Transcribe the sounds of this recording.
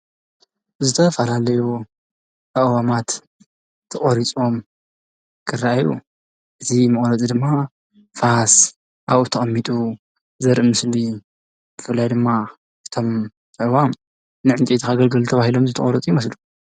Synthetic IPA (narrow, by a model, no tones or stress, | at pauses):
zɨt̪ʰɐfɐlalɐju | ʔɐwamat̪ | t̪ʰːɨχʼoɾit͡sʼo̞m | kʰɨraajṵ | ʔɨt̪ʰimɐχʼoɾɐt͡sʼid̪ɨmːa | fas | ʔaβut̪ʰɐxʼɐmːit̪ʼu | zɐɾʔɨmɨsli | bɨfɨlːajd̪ɨmːa | ʔɨ̥t̪ʰo̞m | tɐwam | nɨʕɨnt̪ʼit̪ʰixaɡɐlɡɨlt̪ʰɐβahilo̞mzɨt̪ʰɐχʼoɾɐt͡sʼjmɐslu